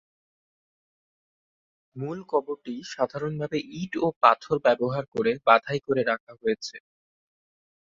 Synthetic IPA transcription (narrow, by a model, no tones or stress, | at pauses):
mulkɔboɾʈiʃad̪ʱaɾonbʱabeʔiʈopa̰t̪ʰoɾbɛboɦaɾkoɾebad̪ʱajkoɾeɾakʰaɦojet͡ɕʰe